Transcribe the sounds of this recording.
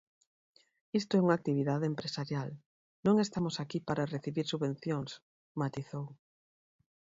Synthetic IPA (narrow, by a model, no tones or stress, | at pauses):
ist̪oɛuŋak̚t̪iβ̞iðaðempɾesaɾjal | nõŋest̪amosakipaɾareθiβiɾsuβẽnθjoŋs | mat̪iθow